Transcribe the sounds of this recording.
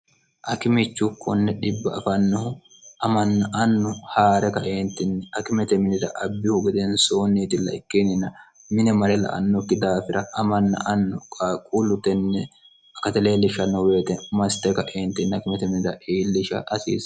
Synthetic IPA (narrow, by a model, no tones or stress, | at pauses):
ʔɐkɪmɪt͡ʃːʊkʰːɔnːɛᶑɪbːɐɐfɐnːɔhʊ | ʔɐmɐnːɐʔɐnːʊhaːɾɛkɐʔeːnt̪ɪnːɛɐkɪmɛt̪ɛmɪnɪd̪ɐ̰ʔɐbːɪhʊɡɪd̪ɛnsoːnːiːt̪ɪlːɐ̰ɪkːenɪnːɐ | mɪnɛmɐɾɛlɐ̰ʔɐ̰nːɔkːɪd̪aːfɪɾɐɐmɐnːɐ̰ʔɐnːʊkʼakʼʊlʊt̪ɛnːɛ | ɐkɐt̪ɛleːlːɪʃɐnːɔwe̞ːt̪ɛmɐst̪ɛkɐʔeːnt̪ɪnːɐkɪmɛt̪ɛmɪnɪd̪ɐʔiːlːɪʃɐ̰ʔɐsḭːs